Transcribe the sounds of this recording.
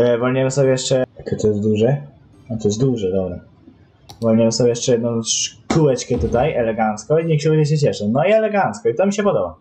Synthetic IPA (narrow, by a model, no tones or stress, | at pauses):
vɔlʲɲɛmsɔbʲjɛjɛʂt͡ʂɛt̪ɔt̪ɔjɛst̪d̪uʐɛ | at̪ɔjɛs̬t̪d̪wuʐɛd̪ɔbɾa | vɔlɲɛmsɔbʲjɛjɛʂt͡ʂɛjɛd̪nɔ̃w̃ʂkuwɛt͡ʂkʲɛt̪ut̪ajɛlɛɡant̪skɔiɲɛkɕɛɡɛd͡ʑɛɕ̬ɛt͡ɕɛʂɛnɔiɛlɛɡant̪skɔit̪ɔmʲiɕɛpɔd̪ɔba